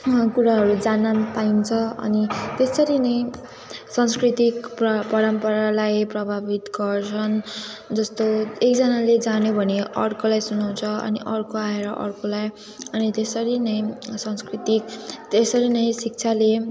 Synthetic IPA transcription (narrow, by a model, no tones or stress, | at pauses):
kuɾaɦʌɾud͡zanapaint͡sʰʌʌ̰nit̪esʌɾinʌj | sʌnskrit̪ikpʌpʌɾʌmpʌɾalajprʌbʱabit̪ɡʌrt͡sʰʌnd͡zʌst̪oekd͡zʌnaled͡zanobʱʌneʌ̰rkolajsunaw̃t͡sʰʌʌ̰niʔʌrkoaeɾʌʔʌ̰rkolaj | ʌnit̪esʌɾinʌj̃sʌnskrit̪ikt̪esʌɾinʌj̃sik̚t͡sʰale